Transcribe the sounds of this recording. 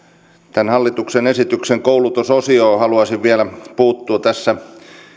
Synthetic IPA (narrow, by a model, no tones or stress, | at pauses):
t̪ænhɑlːit̪uksenesit̪ykseŋkoulut̪usosioːhɑluɑsiʋʋielæpuːt̪ːuːt̪æsːæ